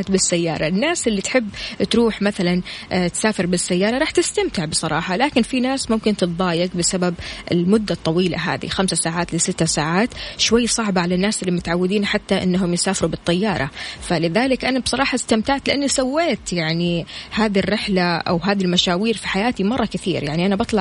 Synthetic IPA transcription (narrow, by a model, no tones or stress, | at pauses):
t̪bɪsːajːɑ̰ːɾˤɑɪnːaːsʔɪlːit̪ħɪbːt̪ɾuːħmaθalant̪saːfɪɾbɪsːajːɑːɾˤɑɾˤɑːħt̪ɪst̪amt̪ɪʕbɪsˤɑɾˤɑ̰ːħɑlaːkɪnfinaːsmʊmkɪnt̪ɨt̪ðˤɑːjɪɡbɪsababʔɪ̰lmʊd̪ːat̪ˤːɑwiːla̰ɦa̰ːðḭxamsasaːʕaːt̪lɪsɪt̪ːasaːʕaːt̪ʃwajːsˤɑʕbaʕalanːaːsʔɪlːimʊt̪ʕawːɪd̪iːnħat̪ːaʔɪ̰nːaɦʊmjɪsaːfɪɾubɨt̪ˤːɑjːɑːɾˤɑ̰falɪðaːlɪkʔanabsˤɑɾˤɑːħɑst̪amt̪aʕt̪lɪʔanːisawːeːt̪jaʕnihaːðirːɪħlaʔa̰wɦaːðilmaʃaːwiːɾfi̥ħajaːt̪imɑrˤːɑkɪθḭːɾjaʕniʔanabɑt̪ˤlɑ